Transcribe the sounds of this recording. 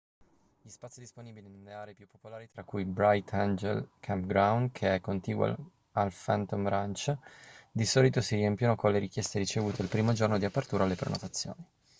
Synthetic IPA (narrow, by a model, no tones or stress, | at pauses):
ʎispat̪sid̪isponiːbilinelːeaːɾeːpjupːopolaːɾit̪ɾakːujbɾajt̪ʰand͡ʒḛlkʰampɡɾawnkʰeɛkːont̪iːɡwa̰l | alfant̪omɾant͡ʃ | d̪isɔːlit̪osiɾiɛmpjonokonleɾikjest̪eɾit͡ʃevuːt̪eilpɾiːmod͡ʒornod̪iapːert̪uːɾalːepɾḛno̰t̪at̪sːjo̰ːni